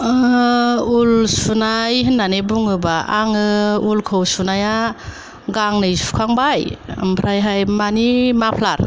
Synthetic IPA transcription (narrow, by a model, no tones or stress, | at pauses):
ulsunajɦɯnːanebuŋɯbaaŋɯulkʰɯwsunaja | ɡaŋnɯjsu̥kʰaŋbajɯ̰mpʰɾajɦajmanimapʰlaɾ